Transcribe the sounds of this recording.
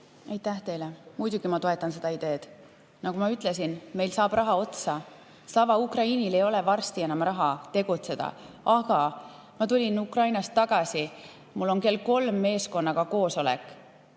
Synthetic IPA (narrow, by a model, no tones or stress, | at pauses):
ejt̪ːˑæht̪e̞jlemud̪̥ʲuɡ̥imɑt̪o̞e̞t̪ːˑɑnse̞d̪ɑid̪̥e̞ːd̪̥ | nɑkumɑyt̪ˑle̞s̬inme̞jlsɑːb̥rʔɑɦɑo̞t̪sɑ | sɑvɑukrɑiːnile̞jo̞le̞vɑrst̪ie̞nɑmrɑɦɑt̪e̞ɡ̥ut̪se̞d̪̥ɑ̰ | ɑɡ̥ɑ | mɑt̪ulʲinukrɑjnɑst̪ːɑɡ̥ɑsʲi | mulːo̞nke̞lko̞lmːe̞ːsko̞nːɑkɑko̞ːso̞lḛkːˑ